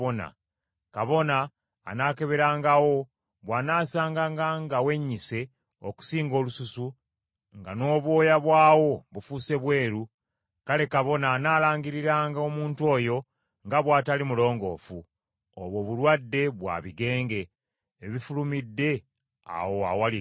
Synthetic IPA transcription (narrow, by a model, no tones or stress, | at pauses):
ona̰ | kaβo̞na̰ː | nake̞βe̞ɾaːŋɡawo̞ | βwanaːsaːŋɡaːŋɡaŋɡawe̞ɲːise̞ | oku̥siːŋɡo̞ːlususu | ŋɡano̞ːβwo̞ːjaβwaːwo̞βufuse̞βwe̞ːɾu | kale̞kaβo̞naːnaːlaːɲɡiɾiɾaːŋɡao̞muːntwo̞ːjo̞ | ŋɡaβwaːtalimulo̞ːŋɡo̞̰fu | oβwo̞ːβulwadːe̞βwa̰βiɡe̞ːŋɡe̞ː | βifulumidːe̞ | a̰wo̞a̰wal